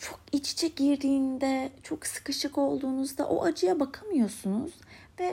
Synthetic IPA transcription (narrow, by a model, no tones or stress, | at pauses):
t͡ʃʰo̞kit͡ʃt͡ʃʰɛɟiɾd̪iːnd̪ɛt͡ʃʰo̞ksɯ̥kɯʃɯko̞lˠd̪uːnuzd̪a̰ʔo̞̰ʔad͡ʒɯjabakʰamɯjo̞sunuz̥ | vɛ